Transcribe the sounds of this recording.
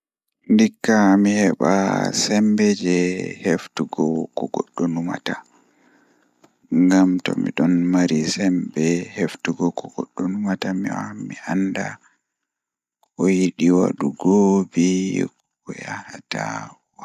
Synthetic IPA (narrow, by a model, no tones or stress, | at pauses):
ndikːamihɛɓa̰sɛmbɛd͡ʒɛheftuɡɔkɔɡɔɗːɔnuma̰ta | ŋɡamtɔ̰mḭɗɔnmaɾisɛmbɛheftuɡɔkɔɡ̥ɔɗːɔnumatamiwamianda | ɔjiɗiwa̰ɗuɡobi | ɔjahata | wa